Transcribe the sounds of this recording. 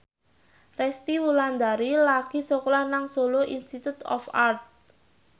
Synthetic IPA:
rɛst̪iwuland̪aɾilaɡ̥isoklanaŋsoloʔinst̪it̪ut̪ɔ̰fart̪̚

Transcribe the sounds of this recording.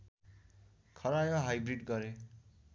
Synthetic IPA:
kʰʌɾajoɦajbriɖɡʌɾe

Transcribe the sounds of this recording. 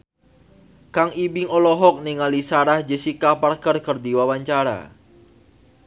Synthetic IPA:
kaŋibɪŋɔlɔɦɔk̚niŋalisaɾahd͡ʒəsikaparkərkərd̪iwawaɲt͡ʃaɾa̰

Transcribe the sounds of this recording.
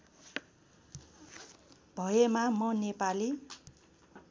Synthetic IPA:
bʱʌjemamʌnepali

